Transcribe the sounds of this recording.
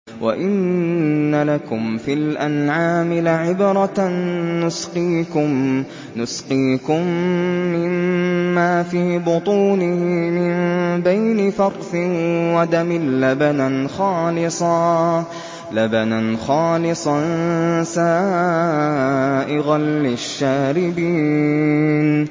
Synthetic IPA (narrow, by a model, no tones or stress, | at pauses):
wʔa̰ʔɪnː | alakʊmfilʔanʕaːmɪlaʕɪbɾˤɑː | ʊsqiːkʊ | nʊsqiːkʊmːɪmːaːfiːbʊt̪ˤuːnɪhɪmɪmbajnɪfɑɾˤθɪwad̪amɪlːabanaxɑːlɪsˤɑː | labananxɑːlɪsˤɑnsaː | ʔɪɣalːɪʃːaːɾɪbiː | n